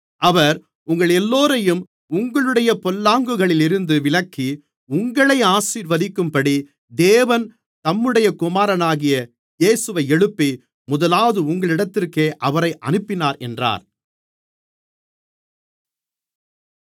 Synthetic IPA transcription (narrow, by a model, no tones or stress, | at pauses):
ɐʋɐɾ | ʊŋɡɐɭɛlːoːɾɐjɯm | ʊŋɡɐɭɯɽɐjɐpɔlːaːŋɡɯɣɐɭɪlɪɾɯnd̪ɯʋɪɭɐkːi | ʊŋɡɐɭɐɪaːsiːɾʋɐðɪkːɯmpɐɽi | d̪eːʋɐn | t̪ɐmːɯɽɐjɐkʊmaːɾɐnaːɣɪjɐ | jeːsɯʋɐɪɛɽɯpːi | mʊðɐlaːɐðɯʊŋɡɐɭɪɽɐt̪ːɪrkeːʔɐʋɐɾɐɪʔɐ̰nɯpːɪnaːɾɛ̰ndra̰ːɾ